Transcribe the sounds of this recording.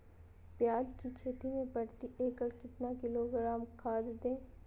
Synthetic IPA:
pjaːd͡ʒkikʰeːʈ̪imẽpɐɽt̪iʔeːkəɽkɪt̪nakɪloɡɾaːmkʰaːd̪d̪ẽː

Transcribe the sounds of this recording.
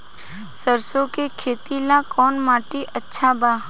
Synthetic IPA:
səɾsõkekʰeːt̪ilakɔːnmaːʈiʔɐtːʃʰabaː

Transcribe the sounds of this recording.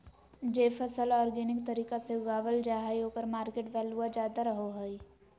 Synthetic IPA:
d͡ʒeːfəsəlɔːɾɡeːnɪkt̪ɐɾiːkaseʊɡaːʋəld͡ʒaːɦaiɦoːkəɾmaːɾkeːʈʋɛːluad͡ʒaːd̪aɾɐɦoɦoi

